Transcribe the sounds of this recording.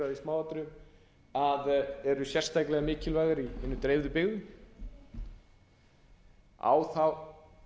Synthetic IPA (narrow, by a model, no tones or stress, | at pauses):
aðismaːwat̪ɾʏm | aðɛɾʏsjɛr̥st̪ajklɛɣamɪːcɪlvaːjɣaɾiɪnːʏt̪ɾejvðʏpɪɣðʏ | a̰wθaw